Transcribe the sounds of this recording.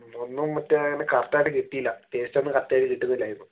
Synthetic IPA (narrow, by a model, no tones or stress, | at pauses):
onːumːɐtːeɐŋːɐnekɐrt̪ːaːjʈːɨkiʈːijilːɐt̪eːsit͡ɕːɐnːɨkɐrt̪ːɐjaːjlkiʈːunːɐilaːjinːo